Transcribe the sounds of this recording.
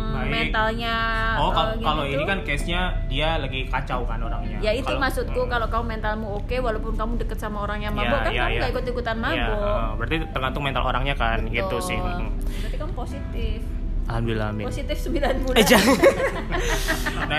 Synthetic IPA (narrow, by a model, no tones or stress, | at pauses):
amɛnt̪alɲaɔkakaloinikankɛsɲadialaɡikat͡ʃawkanoɾaŋɲajaikaulmasʊt̪̚kukalokaumɛnt̪almuokewalopʊnkamudəkət̪samaoɾaŋɲamaabukajaaɡaikʊt̪ikut̪anmaaɡobəɾərt̪it̪ərɡant̪ʊŋmɛnt̪a̰lʔo̰ɾaŋɲakanɡit̪usɪht̪apikamposit̪ɪf | aambila̰miposit̪ɪfsəmbilanbuld͡ʒa | na